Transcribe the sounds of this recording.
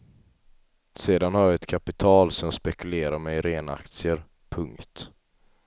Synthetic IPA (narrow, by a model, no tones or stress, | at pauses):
seːd̪anhaɾjɑɛt̪kʰapɪt̪ʰɑːlsɔmspɛkɵleːɾaɾmɛjɾeːna̰kt̪sɪəɾ | pʰɵŋkt̪